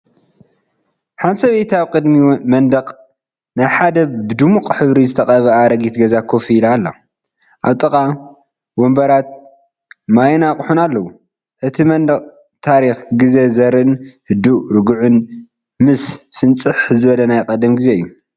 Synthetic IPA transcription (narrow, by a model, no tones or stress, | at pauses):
ħansɐβejt̪ʰaβkʼɨd̪mimɐnd̪ɐqʼ | najħad̪ɐbɨd̪umukʼħɨβɾizɨt̪ʰɐkʼɐβɐaɾɐɡit̪ɡɐzakʰːofilalːo̰ | ʔaβt̪ʼɨkʼa | wombɐɾat̪̚ | majnakʼħunalːɐwu | ʔɨt̪ʰimɐnd̪ɐqʼ | t̪ʰaɾixɡɨze̞zɐɾɨnhɨd̪uɾɨɡuʕʊn | mɨsfɨnt͡sʼɨħzɨβɐlɐnajqʼɐd̪ɐmɡizeɨjːu